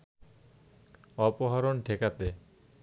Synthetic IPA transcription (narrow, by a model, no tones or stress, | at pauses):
ɔpoɦaɾonʈʰekat̪e